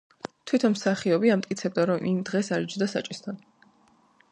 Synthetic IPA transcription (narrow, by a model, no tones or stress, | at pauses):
t̪ʰwit̪ʰɔnmsaχiɔbiamt̪ʼkʼit̪sʰɛb̚d̪aɾɔmʔimd̪ʁɛsaɾd͡ʒd̪asa̰t͡ʃʼist̪ʰan